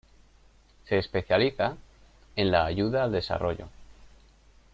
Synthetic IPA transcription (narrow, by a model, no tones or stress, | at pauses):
se̞ːspe̞θjaliθa | e̞nlaːʝuðaːld̪e̞sa̰rʔo̞ʝo̞̰